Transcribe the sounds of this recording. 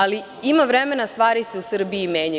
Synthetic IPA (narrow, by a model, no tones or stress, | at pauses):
ali | imaʋɾemenast̪ʋaːɾise̞usr̩biːmjeːɲa